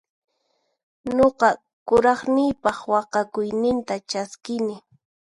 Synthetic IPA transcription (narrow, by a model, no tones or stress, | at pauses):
ɲoqɑ | kʊɾɑχnɪjpɑχwɑqɑkʊjnɪnt̪at͡ʃaskɪnɪ